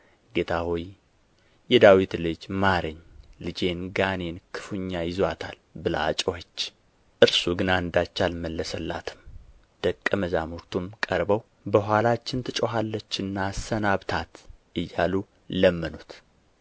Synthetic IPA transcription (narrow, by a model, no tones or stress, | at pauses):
ɡe̞t̪ʰahoj | jɛd̪awit̪lɨd͡ʒmaɾɨɲːlɨd͡ʒe̞nɡane̞nkʰɨ̥fuɲːajɪzat̪ʰa̰lbɨla̰t͡ʃʼohət͡ʃː | ʔɨɾsuɡɨnaɨnd̪at͡ʃːalməlːəsəlːa̰t̪ʰɨ̥m | d̪̥əkʼːəməzamuɾt̪ʰumkʼəɾbəw | bəɦʷalat͡ʃːɪnt̪ʰɨt͡ʃʼoɦalːət͡ʃːɨnːaːsənaβt̪ʰat̪ʔɨjːalu | ləmːənut̪